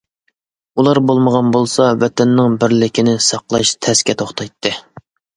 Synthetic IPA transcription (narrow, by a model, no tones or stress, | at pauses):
ulˠɑɾbolˠməʁɑnbolˠsɑwɛt̪ʰɛnːɪŋbɪɾlɪkʲinɪsɑqlˠɑʃt̪ʰɛskʲɛt̪ʰoχt̪ʰɑjt̪ʰːɨ